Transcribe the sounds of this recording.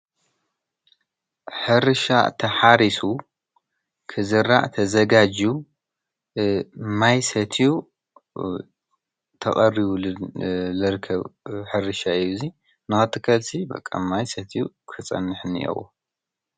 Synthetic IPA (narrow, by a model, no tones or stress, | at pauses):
ħɨɾɨʃa̰t̪ʰɐħaɾisu | kʰɨzɨɾa̰ʔt̪ʰɐzɐɡad͡ʒu | majsɐt̪ʰju | t̪ʰɐ̰χʼɐriβu | lɨɾɨkʰːɐβħɨɾɨʃaɨjːuzi | nɨxɐt̪ʰːɨkʰɐlsibɐ̰kʼːa̰majsɐt̪ʰiju | kʰɨt͡sʼɐ̰nːɨħnḭʔo̰wṵ